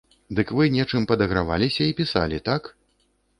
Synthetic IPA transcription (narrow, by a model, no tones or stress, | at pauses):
d̪ɨkvɨnʲɛt͡ʂɨmpɐd̪ɐɣɾava̰lʲisʲɐipʲisa̰lʲit̪ak